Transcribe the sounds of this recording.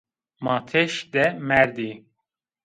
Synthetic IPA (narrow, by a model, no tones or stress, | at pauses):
mɑːt̪ʰeʃd̪ɛmɛɾd̪i